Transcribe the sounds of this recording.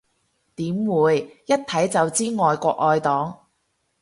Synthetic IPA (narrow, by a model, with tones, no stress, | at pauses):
t̪iː˨˥mwuː˨˧jːɐ˥t̚t̪ʰɐ˨˥jt͡sɐ˨wt͡siː˥ŋɔː˨jkʷɔː˧k̚ɔː˧jt̪ɔː˨˥ŋ